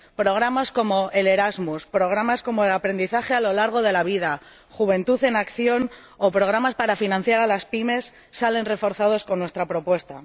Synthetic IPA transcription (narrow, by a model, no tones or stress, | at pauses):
pɾo̞ɣ̞ɾamasko̞mo̞ʔele̞ɾazmuspɾo̞ɣ̞ɾamasko̞mo̞elapɾe̞nd̪iθaxe̞alo̞laɾɣ̞o̞ð̞e̞laβ̞iða | xuβ̞ẽ̞nt̪uθe̞nakθjo̞n | o̞pɾo̞ɣ̞ɾamaspaɾafinãn̟θjaɾalaspime̞sː | ale̞nre̞fo̞ɾθað̞o̞sko̞nːwe̞st̪ɾapɾo̞pwe̞st̪a̰